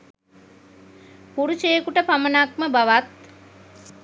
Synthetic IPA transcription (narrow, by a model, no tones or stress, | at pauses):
puɾuʃejekuʈəpamənakməbaʋat̪̚